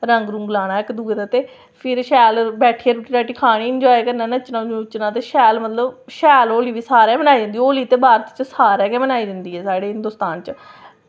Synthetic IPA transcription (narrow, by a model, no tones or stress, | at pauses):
ɾəŋɡɾʊ̃ŋɡlaːɽ̃aːɪkd̪uɡd̪aːt̪eː | pʰɪɾʃɛːlbɛːʈʰiːəɾuʈiːɾɛːʈiːkʰaːɽ̃iːənd͡ʒaːeːkəɾnãːnət͡ʃnãːt͡ʃnãːt̪eːʃɛːlmət̪ləbʃɛːloːliːʋiːsaːɾeːmənaːiːd̪ɪ̃nd̪iːoːliːt̪eːbaːɾət̪t͡ʃsaːɾɛːkɛːmənaːiːd̪ɪnd̪iːɦɛːsaːɽeːɦɪ̃nd̪oːst̪aːnt͡ʃ